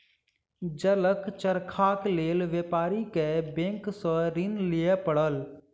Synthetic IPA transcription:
d͡ʒələkt͡ʃəɾkʰaːk̪leːlʋeːpaːɾikebẽːŋksəɾɪnlijɛpəɽəl

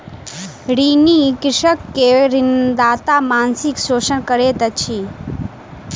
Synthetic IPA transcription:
ɽinikɾɪʃəkːeɾɪnd̪aːt̪amansiksoːʃənkəɾet̪ət͡ʃʰi

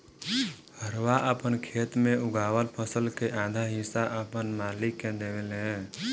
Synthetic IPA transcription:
həɾwaʔəpənkʰeːt̪mẽʊɡaːwəlpʰəsəlkeʔaːd̪ʱaɦɪsaʔəpənmaːlikːẽd̪eʋeleɛ̃

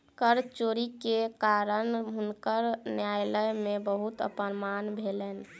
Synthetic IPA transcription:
kəɾt͡ʃoɾikekaɾənɦunkəɾnjajləjmebəɦut̪ə̰pənmanbʱelɛn

